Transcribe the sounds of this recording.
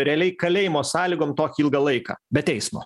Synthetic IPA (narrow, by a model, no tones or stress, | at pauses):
ɾʲɛlʲɛɪkɐlʲeːjɪmoːsɑːlʲiːɡoːmt̪oːkʲiilˠɡɐlˠɐɪkɑ̰ːbʲɛt̪tʲɛɪsmo̰ː